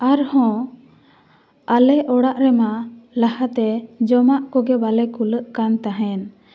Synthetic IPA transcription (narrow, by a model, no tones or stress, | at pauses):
aɾhɔ̃ | alɛʔɔɽaʔɾɛmalahat̪ɛd͡ʒɔmaʔkɔɡɛbalɛkuləʔkant̪aɦɛn